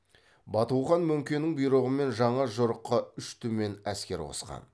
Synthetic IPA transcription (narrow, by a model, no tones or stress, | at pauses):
bɑt̪uwʁɑnmʏŋkʲenɪŋbijɾoʁəme̞nʒɑɴɑʒoɾəqːɑʏʃt̪ʰʏme̞næskʲe̞ɾwo̰sqɑ̰n